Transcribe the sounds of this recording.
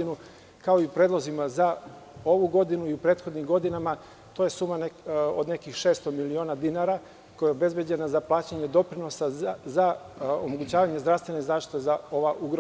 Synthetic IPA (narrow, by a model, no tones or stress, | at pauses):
inu | kao̞iupɾeːd̪lˠo̞zimaza | o̞ʋuɡo̞d̪inuiupɾeːt̪xo̞d̪nimɡo̞d̪inama | t̪o̞je̞suːmano̰d̪ne̞kixʃeːst̪o̞milio̞ːnad̪inaɾa | kojeobe̞zbje̞d͡ʑe̞nazaplˠaːt͡ɕaɲed̪o̞pɾino̞saza | omoɡut͡ɕaːʋaɲezd̪ɾast̪ʋe̞nezaːʃt̪i̥t̪ezao̞ʋaʔuɡɾo